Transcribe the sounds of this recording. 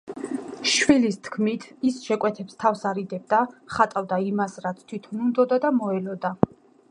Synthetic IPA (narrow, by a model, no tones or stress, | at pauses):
ʃwilist̪ʰkʰmit̪ʰisʃɛkʼwɛt̪ʰɛpst̪ʰafsaɾid̪ɛb̚d̪aχat̪ʼavd̪aimasɾat̪sʰt̪ʰwit̪ʰɔnund̪ɔd̪ad̪amɔɛlɔd̪a